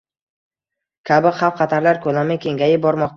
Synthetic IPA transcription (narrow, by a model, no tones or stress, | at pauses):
kʲʰabɪχɑwqʰɑt̪ʰaɾlaɾkʰɵlamɪkʲʰe̞ŋɡʲajɪbɒɾmɒq̚t̪ʰ